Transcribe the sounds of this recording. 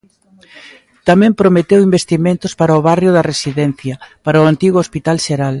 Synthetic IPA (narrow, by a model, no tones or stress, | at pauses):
t̪amɛ̃mpɾomet̪ewimbest̪imẽnt̪ʊspaɾɐoβarjʊðɐresiðɛn̟θjɐpaɾɐʊant̪iɣoospit̪alʃeɾal